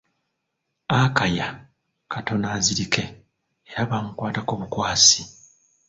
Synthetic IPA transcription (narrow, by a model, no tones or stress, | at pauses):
akaja | kʰato̞naːziɾike̞ | eɾaβaŋukwaːtakoːβukwaːsi̥